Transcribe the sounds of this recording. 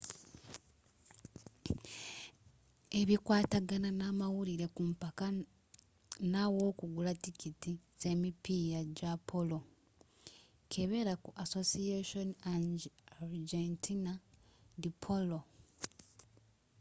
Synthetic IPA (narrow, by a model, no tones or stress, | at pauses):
eβikwaːtaɡananamawuɾiɾe̞kumpaka | nawo̞ːkuɡulatikitiz̥e̞mipijaɟapʰolo̞ | kʰe̞βe̞ɾakuʔaso̞sieʃonaaɾd͡ʒentʰinadipʰolo